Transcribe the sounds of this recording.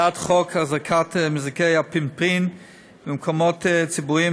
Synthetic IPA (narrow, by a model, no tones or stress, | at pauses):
atχɔkhaχzakʰatmɪzɪkeɪapɪmpin | bɪmkʰɔmott͡sibuɾi